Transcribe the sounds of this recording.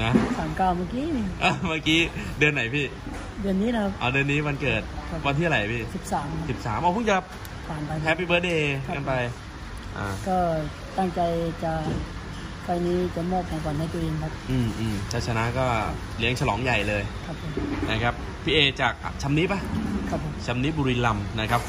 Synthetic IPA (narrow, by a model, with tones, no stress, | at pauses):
na˦˥saː˩˦mkaː˧˩wmaː˧kiː˦˥ni˧ʔaː˧˩maː˧kiː˦˥dɯ˧nːa˩˦jpʰiː˥˩ | dɯ˧nːiː˦˥na˧kʰa˦˥p̚ʔa˧˩dɯ˧ənːiː˦˥ma˧nkɤː˨˩t̪̚kʰa˦wa˧nt̪ʰiː˧˥˩la˨˩jpʰiː˧˩si˨˩p̚saː˩˦mʰa˦si˨˩p̚sa̰ː˩˦mʔa˧˩pʰu˥˩ŋt͡ɕa˧˩p̚ | pʰaː˨˦npa˧ɛː˦˥pi˧bəː˧˥deː˧kaː˧˨npa˧j | ʔa̰ː˧˩kɔː˥˩ | t̪a˥˩ŋt͡ɕa˧jt͡ɕa˨˩ | kʰa˧jniː˦˥t͡ɕa˨˩mɔː˥˩p̚haː˨˧˩kɔː˨˩nʰaː˧˥˩jt̪u˧ʔeː˧ŋkʰa˦˥p̚ʔɯː˧mʔɯː˧˩mt͡ɕʰa˦˧˩t͡ɕʰa˧na˦˥kɔː˥˩ | li˦˥əŋt͡ɕʰa˧lɔː˩˦ŋja˨˩jlɤː˧jkʰa˦˥p̚ʰːo˨˩mna̰˦˧˩kʰa˦˥p̚ | pʰːiː˧˩ʔeː˧t͡ɕaː˨˩k̚t͡ɕʰa˧mniː˦˥pa˧˩kʰa˦˥pʰt͡ɕʰa˧mniː˦˥buː˧ɾi˧la˧mna˦˥kʰa˦˥p̚